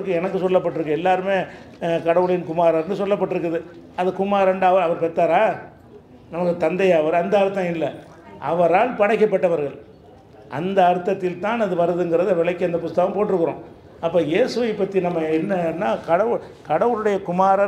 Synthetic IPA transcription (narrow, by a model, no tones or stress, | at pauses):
ɯkːɯɛnɐkːɯsɔlːɐpːɐʈːɯɾɯkːɯɛlːaːɾɯmeː | kɐɽɐʋɯɭɐjɪnkʊmaːɾaːɾnːɯsɔlːɐpːɐʈːɯɾɯk̬ːɐðɯɐðɯkʊmaːɾɐɳɖɯɐʋɐɾɐʋɐɾpɛt̪ːaːɾaː | nɐmɐkːɯt̪ɐnd̪ɐjaːʋɐɾɐnd̪ɐɐɾɯt̪ːɐ̃ɪlːɐ | ʔɐ̰ʋɐɾaːlpɐɽɐɪkːɐpːɐʈːɐʋɐɾɣɐɭ | ʔɐnd̪ɐːɾɯt̪ːɐt̪ːɪlt̪ãːnɐðɯʋɐɾɯðɯnɡɪɾɐðɯɐʋɪlɐkːɯɐnd̪ɐp̬ʊst̪ːɐɣɐmpoːʈːɪɾɯkːɯɾõ̰ː | ɐpːoːjeːsɯʋɐɪpːɐt̪ːinɐmːɐɛnːɐnːaːkɐɽɐʋɯɭ | kɐɽɐʋɯɭɯɽɐjɐkʊmaːɾɐ